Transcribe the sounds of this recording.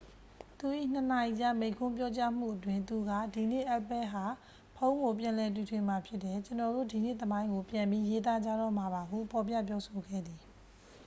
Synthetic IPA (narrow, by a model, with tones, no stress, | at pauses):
t̪u˨ʔḭ˦˨n̥ə˨na˨ji˨t͡ɕa̰˦˨mẽ˨ɪ̃ŋkʰʊ̃˦mpjɔ˦t͡ɕa˦m̥ṵ˦˨ʔət̬wɪ̃˦nt̪u˨ɡa̰˦˨di˨n̥ḛ˦˨ʔa˦ʔpɛ˦ɦa˨ | pʰõ˦ʊ̃ŋɡo˨p̬jã˨lɛ˨t̬ju˨tʰwɪ̃˨ma˨pʰjɪ˦tːɛ˨t͡ɕənɔ˨do̰˦˨di˨nḛ˦˨t̪əmã˦ɪ̃ŋɡo˨pjã˨mbi˦je˦t̪̬a˦˨d͡ʑa̰˦˨ɾɔ˦˨m̥a˨βa˨ɦṵ˦˨pʰɔ˨pja̰˦˨pjɔ˦sʰo˨ɡɛ̰˦˨d̪ði˨